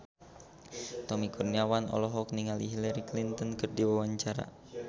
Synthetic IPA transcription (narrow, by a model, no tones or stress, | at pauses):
t̪ɔmikurniawanɔ̰lɔɦɔkniŋaliɦilaɾiklint̪ɔnkɨrdiwawaɲt͡ʃaɾa̰